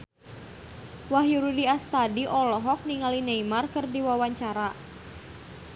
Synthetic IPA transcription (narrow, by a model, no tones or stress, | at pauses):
wahjuɾudiast̪adiʔɔlɔɦɔk̚niŋalineimarkɨrdiwawaɲt͡ʃaɾa